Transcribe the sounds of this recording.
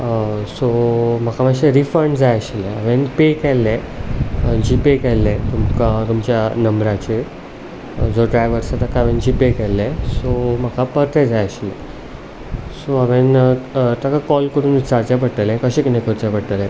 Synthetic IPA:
som̤əkʰamaɕeɾifəɾɳɖd͡zajəɕilɛ̃aʋẽnpekɛlːɛ̃ | d͡ʑipekɛlːɛ̃t̪umkat̪umt͡ɕjanəmbɾat͡ɕe | d͡zoɖɾajʋəɾsat̪akaaʋẽnd͡ʑipekɛlːɛ̃som̤əkʰapəɾt̪ɛ̃d͡zajəɕilɛ̃ | soaʋẽnt̪akakɔlkəɾuːnit͡sat͡ɕapəɽt̪əlɛ̃kəɕẽkinekʰəɾt͡ɕapəɽt̪əlɛ̃

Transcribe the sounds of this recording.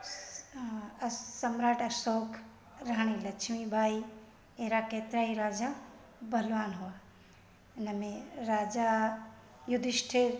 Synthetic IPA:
sɐmɾaːʈɐɾsoːkʰ | ɾaɦɽ̃ĩlɐkt͡ʃʰmibʱaːi | eɦɾakeːt̪ɾaːiɾaːd͡ʒa | bʱɐlʋaːnɦuaː | ɪnəmẽɾaːd͡ʒa | jʊd̪ʱɪʃʈʰe

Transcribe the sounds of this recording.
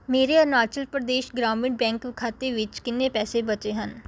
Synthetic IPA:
meːɾeɔɾnaːt͡ʃəlpɾəd̪eːʃɡɾaːmɪ̃ɳʈ̚bɛ̃ːŋkʋɪkʰaːt̪eʋɪt͡ʃkɪnːẽpɛːsebət͡ʃeɦən

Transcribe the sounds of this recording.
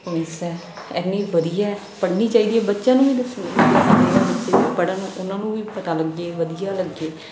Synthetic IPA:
əmesɛː | ɛnːiːʋəd̪ijaːɛ | pəɽniːt͡ʃaːiːd̪iːɛːbətːʃjãːnũːʋiːd̪əsneəsneːaːbəʃeːpəɽãːnũːʔʊnãːnũːʋiːpət̪aːləɡːeːʋəd̪ɪjaːləɡːeː

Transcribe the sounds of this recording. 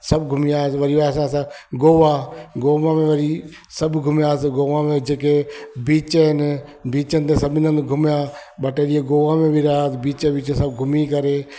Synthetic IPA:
sɐbʱɡʱʊmiaːesʋɐɾiʋaːsãːsãɡoːʋaɡoːʋamẽʋɐɾi | sɐbʱɡʱʊmjaːsɡoːʋamẽd͡ʒeːkebiːt͡ʃəɦɪnbiːt͡ʃənɪt̪esɐbʱɪnə̃nd̪ɡʱʊmjaɓɐʈeːɗieɡoːʋamẽbʱiɾaːsbiːt͡ʃəbiːt͡ʃsɐbɡʱʊmikɐɾeː

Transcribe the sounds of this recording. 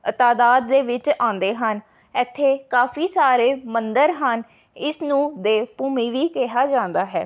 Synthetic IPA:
t̪aːd̪aːd̪ːeːʋɪt͡ʃãːnd̪eːɦən | ɪt̪ʰːeːkaːfʰiːsaːɾeːmənd̪əɾɦən | ɪsnũːd̪eːpuːmiːʋiːkɛɦaːd͡ʒãːnd̪aːɦɛː

